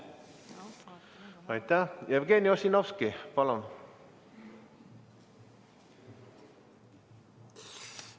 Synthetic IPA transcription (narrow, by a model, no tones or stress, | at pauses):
ɑjt̪æjevɡeniosinofskipɑlon